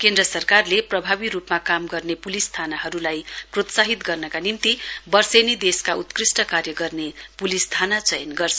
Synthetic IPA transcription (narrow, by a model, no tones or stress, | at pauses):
kend̪rʌsʌrkarleprʌbʱabiɾupmakamɡʌrnepulist̪ʰanaɦʌɾulajprot̪saɦit̪ɡʌrnʌkanint̪ibʌrsʌjnid̪eskaut̪krisʈʌkarjʌɡʌrnepulist̪ʰanat͡sʌjʌnɡʌrsʰʌ